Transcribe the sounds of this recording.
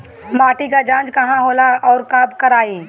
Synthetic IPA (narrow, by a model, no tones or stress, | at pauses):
maːʈikad͡ʒãːt͡ʃkɐɦãɦoːlaɔːɾkaːbkəɾaːi